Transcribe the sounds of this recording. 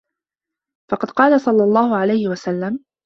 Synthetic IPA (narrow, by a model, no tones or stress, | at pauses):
fɑqɑd̪qɑːlasˤɑlːɑlˤːɑːhʊʕalajhɪwasalːam